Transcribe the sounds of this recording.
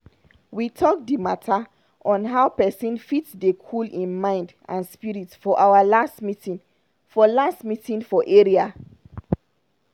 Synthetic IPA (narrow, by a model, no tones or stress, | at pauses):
witʰɔk̚dimatʰa | ʔɔ̃nɦaʊpɛsĩnfitsdekʰulĩnmãɪ̃nd | ã̰nspiɹitfɔʔawalastmitĩ | fɔlastmitĩnfɔʔeɹia